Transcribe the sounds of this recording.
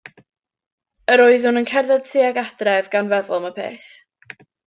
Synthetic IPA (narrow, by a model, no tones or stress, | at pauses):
əɾoɨðʊnənkʰɛrðɛd̚tʰiːaɡadrɛvɡanvɛðʊlˠmapʰḛːθ